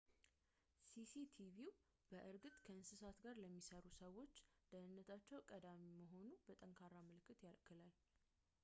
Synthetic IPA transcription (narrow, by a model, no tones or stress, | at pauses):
sisit̪ʰiviw | b̥əʔɨɾɡɨt̪ʼkʰəɨnsɨsat̪ɡaɾləmːisəɾusəwo̞t͡ʃːd̪̥ənɨnːət̪ʰat͡ʃːɛwkʼəd̪amiməɦo̞nubət̪ʼəŋkʰaɾaməlɨkːɨt̪jalkʰɨlal